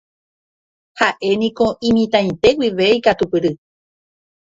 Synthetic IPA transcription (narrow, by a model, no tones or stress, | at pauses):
haʔe̞nĩko̞ʔĩmĩt̪ãj̃t̪e̞wiʋeikat̪upɨɾɨ